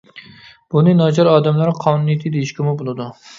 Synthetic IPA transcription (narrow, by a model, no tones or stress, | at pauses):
b̥ʊnɪnɒd͡ʒɒɾɒːd̪amlaɾqʰɒnunijt̪ʰɪd̪ejiʃkʲʰɪmʊbolˠad̪ʊ